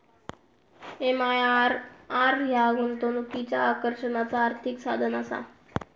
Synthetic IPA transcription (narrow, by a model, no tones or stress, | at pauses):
emajɾaɾjaɡunt̪onukit͡ɕaːkəɾɕənat͡saːɾt̪ʰiksad̪ʱənasa̰